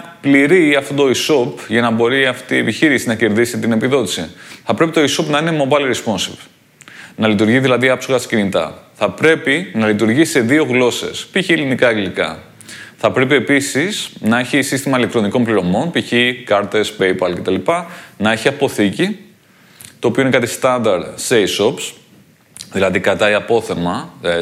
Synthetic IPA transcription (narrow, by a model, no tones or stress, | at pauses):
pliɾiɐft̪ot̪o̞iso̞pʝɐnɐbo̞ɾiɐft̪ie̞piçiɾisinɐce̞ɾðisit̪ine̞piðo̞t̪i̥sḭθɐpɾe̞pit̪oiso̞pnɐine̞mo̞bɐjlɾespo̞nsep | nɐlit̪uɾʝiðilɐðiɐpsoɣɐscinit̪ɐ̰θɐpɾe̞pinɐlit̪uɾʝise̞ðio̞ɣlo̞se̞̰spiçielinikɐeɡlikɐ̰ | θɐpɾe̞p̬ie̞pisisnɐe̞çisist̪imɐilekt̪ɾo̞niko̞npliɾo̞mo̞npiçikɐɾt̪espe̞jpɐlce̞t̪ɐlipɐnɐe̞çiɐpo̞θici | t̪o̞ːpioinekɐt̪ist̪ɐnd̪ɐɾt̪seiso̞ps | ðilɐðikɐt̪ɐiɐpo̞θe̞mɐ